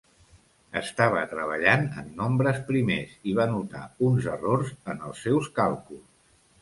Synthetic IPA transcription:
ə̰st̪aβ̞ət̪ɾəβ̞əʎanə̰nːombɾəspɾimeziβ̞anut̪a̰unzərorzənəlˠsːɛwskalˠkus

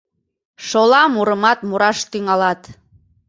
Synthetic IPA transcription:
ʃolɑmuɾəmɑt̪muɾɑʃt̪yŋɑlɑt̪

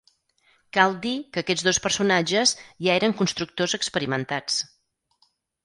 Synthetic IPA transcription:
kalˠd̪ikəːkɛd͡zðospərsunad͡ʒəzʒaeɾəŋkunst̪ɾuk̚t̪ozəkspəɾimənt̪at͡s

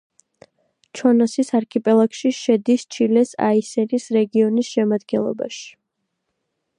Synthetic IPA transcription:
t͡ʃʰɔnɔsisaɾkʰipʼɛlˠakʃiʃɛd̪ist͡ʃʰilɛsa̰isɛnisɾɛɡiɔnisʃɛmad̪ɡɛnlˠɔ̰ba̰ʃi̥

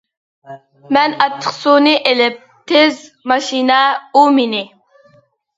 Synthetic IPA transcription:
mɛnɑt̪ʰːə̥qsunɪʔelɪp̚t̪ʰezmɑʃinɛuminɪ

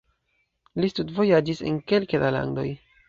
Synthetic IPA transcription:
listudvo̞jad͡ʒisḛnke̞lkedala̰ndo̞̰j

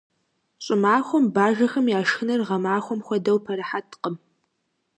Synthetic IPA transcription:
ɕʼɪmaːxʷɔmbaːʒɐxɐmjaːʂxɨnɐrʁɐmaːxʷɔmxʷɔdɐwpʰɐɾɐħatʰqəm

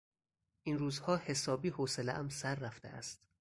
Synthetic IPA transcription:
ʔinruːzhɒːhe̞sɒːbiːhoseleʔæmsæɾːæft̪ḛʔæ̰st̪

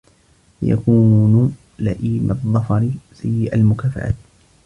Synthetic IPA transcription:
ja̰kuːn | laʔiːmɑðˤːɑfɑɾɪsajːɪʔalmʊkaːfa̰ʕa̰ːt̪

